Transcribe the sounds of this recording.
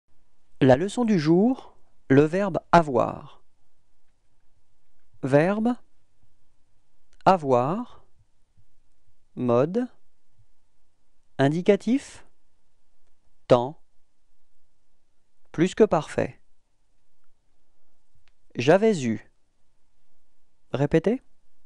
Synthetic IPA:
laləsɔ̃d̪yʒuːʁləvɛʁbavwa̰ːʁ | vɛʁb | avwaʁ | mɔd̪ | ɛ̃d̪ikat̪if | t̪ɑ̃ | plyskəpaʁfɛ̰ | ʒavɛzy | ʁepet̪e

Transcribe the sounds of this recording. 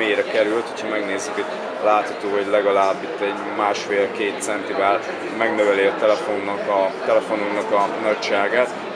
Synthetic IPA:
eːjɾɛkɛɾylt̪hocʰhɒmɛɡneːzːykɛɟ | laːt̪hɒt̪oːɦɔɟlɛɡɒlaːbːit̪ːɛɟ | maːʃfeːlkeːt̪sɛnt̪ivɛl | mɛɡnøvɛliɒt̪ɛlɛfonːɒkɒt̪ɛlɛfo̞nuknɒkɒnɒct͡ʃaːɡaːt̪

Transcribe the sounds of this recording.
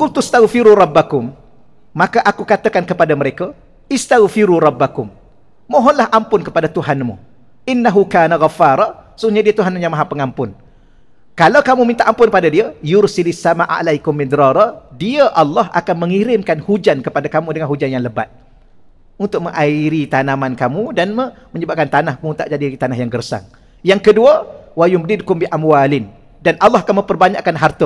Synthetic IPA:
kʊlt̪ust̪aɣfiɾuɾˤɑbːakʊmː | akaʔakukat̪akankəpadaməɾeka | ɪst̪aɣfiɾuɾɑbːakʊmː | oɦɔnlahʔampʊnkəpadat̪uɦanmṵ | ʔɪnːaɦukaːnaɣafaːɾˤɑsuɲadiat̪uɦanmuɲamaɦapəŋampʊn | kalawkamumint̪aʔampʊnkəpadadiajʊɾsilɪsːamaʔa̰lajkʊmːid̪ɾɑɾˤɑdiaʔalːɑɦa̰kanmə̃ŋiɾɪmkanhud͡ʒankəpadakamũdəŋanhud͡ʒanjaŋnləba̰t̪̚ | unt̪ʊk̚məŋʔaiɾit̪anamankamudan | məɲəbap̚kant̪anahmũt̪a̰ʔd͡ʒadiit̪anaɦjaŋɡərsa̰ŋ | jaŋkəduawajʊmdɪdkʊmbiʔamwalɪn | danʔalːɑɦakanmə̃mpərbaɲa̰ʔkanɦart̪ə

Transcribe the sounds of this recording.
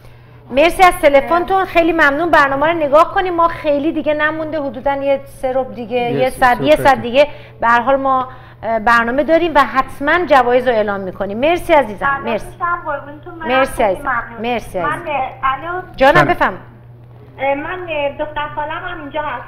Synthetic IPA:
meɾsiæz̥t̪ʰe̞le̞font̪ʰunxejliːmæmnuːnbæɾnɒːmæɾone̞ɡɒːhko̞niːmːɒːxejliːd̪iɡenæmund̪eɦod̪uːd̪ænjeseɾob̚d̪iɡejjesæd̪jesæd̪̚d̪iɡe | b̥ehæɾɦɒːlmɒː | bæɾnɒːme̞d̪ɒːɾiːmvæɦæt̪ʰmænd͡ʒævɒːjezɾoe̞ːlɒːmːiːkʰoniːmːe̞ɾsiæziːzæmeɾsi̥amboɾbunt̪ʰunmameɾsiæziæumeɾsiæzinæld͡ʒɒːnæmbe̞fæɾmi | mænd̪oxt̪æɾsɒːlæmhamind͡ʒɒhæs

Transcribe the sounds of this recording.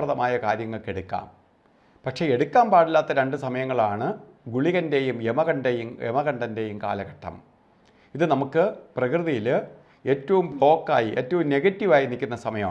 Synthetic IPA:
rɐðɐmaːjɐkaːɾjɐŋːɐɭke̞ɽukːa̰ːm | pɐkʂe̞eɽukʲːaːmpaːɽilːaːt̪ːɐɾeɳɖɨsɐmɐjɐŋːɐɭaːɳɨ | ɡuɭiɣɐnde̞jumemɐɣɐɳɖejumḛmɐɣɐɳɖɐnde̞ːjumka̰ːlɐɣɐʈʰːɐ̰m | iðɨnɐmukːɨprɐkrɨðijil | e̞ːtːɐʋumblo̞ːkːa̰ːjiʔeːtːɐʋumneɡɐtːiʋaːjinikʲːunːɐsɐmɐjɐm

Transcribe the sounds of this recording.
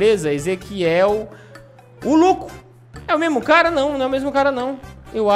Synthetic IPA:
ɾezɐezekiɛw | ʊlukʊ̥ | ɛʊmezmʊkaɾɐnɐ̃w̃nõw̃ɛʊmezmʊkaɾɐnɐ̃w̃ewa

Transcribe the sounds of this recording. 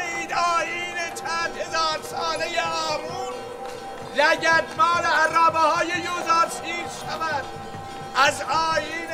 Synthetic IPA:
iːd̪ɒːjiːnet͡ʃʰæːnd̪he̞zɒːɾsɒːnejeɒːmun | læɟæd̪mɒːɾeærɒːbehɑːjejozɑːɾtʰiːɾʃævæd̪ | ʔæzɒːjiːn

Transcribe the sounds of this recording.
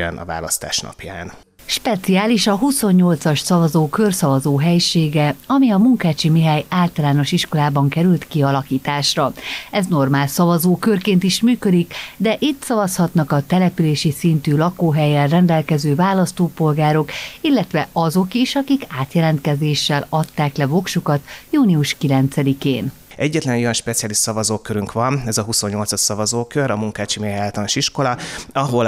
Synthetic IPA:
ɛ̰nɒ̰va̰ːlɒst̪a̰ːʃnɒ̰pja̰ːn | ʃpɛt̪siaːliʃɒɦuso̞ɲːo̞lt̪sɒʃsɒvɒzoːkørsɒvɒzoːɦɛjʃeːɡɛɒmiɒmuŋkaːt͡ʃimiɦajaːlt̪ɒlaːno̞ʃiʃko̞laːbɒŋkɛɾylt̪kiɒlɒkiːt̪aːʃrɒɛzno̞rmaːlsɒvɒzoːkørkeːnt̪iʃmyːkød̪ikd̪ɛʔit̪sɒvɒshɒt̪nɒkɒt̪ɛlɛpyleːʃisint̪yːlɒkoːɦɛjɛrrɛnd̪ɛlkɛzøːvaːlɒst̪oːpo̞lɡaːɾo̞kilːɛt̪ʋɛɒzo̞kiʃɒkikaːt̪jɛlɛnt̪̚kɛzeːʃːɛlɒt̪ːaːklɛvo̞kʃukɒt̪juːniuʃkilɛnt̪sɛd̪ikeːn | ɛɟːɛt̪lɛnojɒnʃpɛt̪sijaːliʃsɒvɒzoːkøɾyŋkʋɒnɛzɒɦuso̞ɲːo̞lt̪sɒʃsɒvɒzoːkøɾɒmuŋkaːt͡ʃimeaːlt̪ɒnʃiʃko̞lɒɒɦo̞l

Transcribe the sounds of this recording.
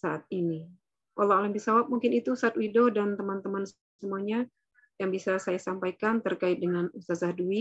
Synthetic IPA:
saʔat̪̚ini | wʔalːaaləmbisawap̚muŋkɪnit̪usaːt̪̚widɔdant̪əmant̪əmans | səmuaɲa | jaŋbisasajasampajkant̪ərkaɪt̪̚dəŋanust̪azahdui

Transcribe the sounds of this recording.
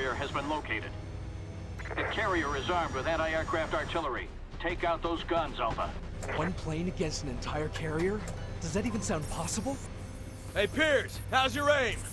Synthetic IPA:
ə˞ɨzbɨ̃nloʊkʰeɪɾɨ̰d̥̚ | ðɨkʰɛɹiə˞ɨzɑɹmd̚wɨðɨɾaɪɛɹkʰɹ̥æftɑɹtʰɪlˠə˞ḭ | tʰeɪkaʊt̪̚ðoʊzɡʌ̃nzɛlˠfə̰ | wʌ̃npʰl̥ẽɪ̃nɨɡɛ̃nstnɨ̃ntʰaɪə˞kʰɛɹiə˞ | d̥ʌzðɨɾivɨ̃nsãʊ̃nd̚pʰɑsəbl̩ˠ | eɪpʰɪɹz̥haʊzjə˞ẽɪ̃n

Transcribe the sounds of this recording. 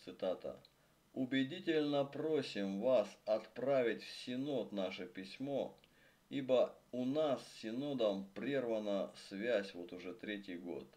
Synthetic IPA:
t̪sɨt̪at̪ə̰ | ʊbʲɪdʲitʲɪlʲnəpɾosʲɪmvasɐt̪pɾavʲɪtʲfsʲɪno̞t̪naʂɨpʲɪsʲmo̞ | ibəʊnassʲɪno̞d̪əmpɾʲervənəsvʲæsʲvo̞t̪ʊʐɛt̪ɾʲetʲɪjɡo̞̰t̪

